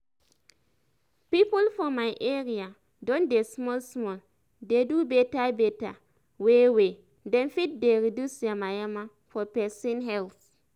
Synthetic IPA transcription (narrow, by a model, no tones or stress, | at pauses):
pipulfɔmajʔeɾia | dõndesmɔlsmɔl | dedubetabeta | wewe | dẽnfit̚deɾidusamajama | fɔpɛsĩnɦɛlθ